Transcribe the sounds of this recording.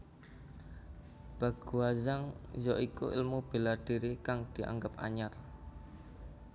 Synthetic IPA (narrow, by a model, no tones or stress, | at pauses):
b̥a̤ɡ̥uɦazaŋzɔʔikṵʔɪ̰lmub̥elad̥i̤ɾikaŋd̪̥i̤ʔa̰ŋɡəp̚a̰ɲar